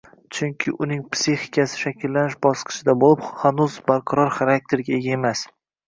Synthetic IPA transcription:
t͡ʃʰʊŋkʲʰɪʔʊnɪŋpsihɪkʰʲasɪ̥ʃakʲɪlːanɪʃbɒsqʰɨ̥ʃɪd̪abolɪphanuzbaɾqʰɑɾɒɾχaɾak̚t̪ʰe̞ɾɡʲae̞ɡʲae̞mas

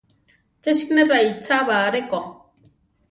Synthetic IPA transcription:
t͡ʃeʃkneɾajt͡sʰaβaɾeko

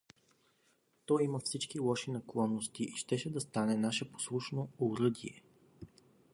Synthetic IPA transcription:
t̪ɔjimɐfsit͡ʃkilˠɔʃinɐklˠɔnːost̪iʔiʃt̪ɛʃɛd̪ɐst̪anɛnaʃɛpo̥slˠuʃnoʊɾɤd̪ḭɛ

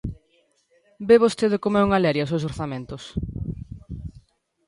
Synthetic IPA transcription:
beβost̪eðekomɛuŋalɛɾjas̬ewsoɾθamẽnt̪ʊs

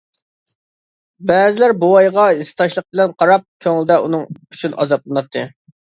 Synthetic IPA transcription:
bɛzɪlæɾboɑjʁɑisɨ̥t̪ʰɑʃlˠəq̚bɪlɛnqʰɑɾɑp̚kʲʰøŋld̪ɛunɨŋyt͡ʃʰynɑ̰zɑp̚lˠɨnɑt̪ʰːɨ

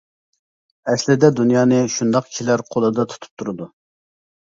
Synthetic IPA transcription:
ɛslɪd̪ɛd̪unjɑːnɨʃund̪ɑqkʲʰilæɾqʰolˠɨd̪ɑt̪ʰu̥t̪ʰu̥p̚t̪ʰuɾɨd̪u

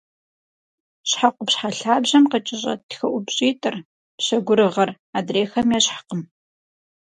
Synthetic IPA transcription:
ɕħaqʷʊpɕħaɬaːbʑɐmqət͡ʃʼɪɕʼɐ̰txɐʔʷʊbɕʼiːtʼɨr | pɕɐɡʷʊɾɨʁɐr | aːdreːxɐmjɛɕħḁqəm

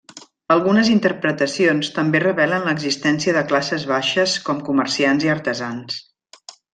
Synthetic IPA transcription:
əlˠɣunəzint̪əɾpɾət̪əsionst̪əmberəβɛlənləɡzist̪ɛnsiəðəklasəzβaʃəskɔmkuməɾsianziəɾt̪əzans

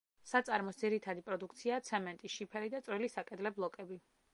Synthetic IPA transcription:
sat̪sʼaɾmɔsd̪ziɾit̪ʰad̪ipʼɾɔd̪uk̚ʰt̪sʰiaːt̪sʰɛmɛnt̪ʼiʃipʰɛɾid̪at̪sʼɾwilisakʼɛd̪lɛblˠɔkʼɛbi

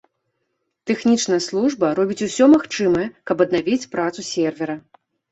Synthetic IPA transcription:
t̪ɛxnʲit͡ʂnɐjɐslˠuʐbɐɾɔbʲit͡sʲusʲɔmaxt͡ʂɨmɐjɐkɐbɐd̪navʲit͡sʲpɾat̪susʲɛrvʲɛɾɐ

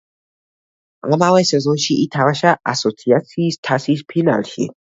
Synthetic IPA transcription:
ŋamawɛsɛzoʃiʔit̪ʰawaʃaʔa̰sot͡sʰiasist̪ʰasispʰina̰lʃḭ

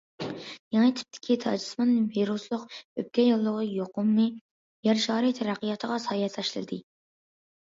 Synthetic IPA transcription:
jɛŋɨt̪ʰy̥p̚t̪ʰɪ̥kʲʰit̪ʰɑ̰ːd͡ʒi̥smɑnːviɾuslˠʊqøp̚kʲʰɛjolˠːəʁəjoqʊmːɨ | jɛɾʃɑːɾɨt̪ʰɛɾæqːijɑt̪ʰəʁɑsɑːjɛt̪ʰɑʃlˠɨ̰d̪ɨ

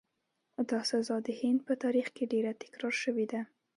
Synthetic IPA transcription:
d̪ɑsazɑd̪əhɪnd̪̚pət̪ɑɾixkeɖeɾat̪ɪ̥kɾɑɾʃəwed̪a

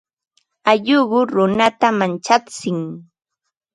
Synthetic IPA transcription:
aʎʊɢʊɾʊnat̪amant͡ʃat͡sɪŋ

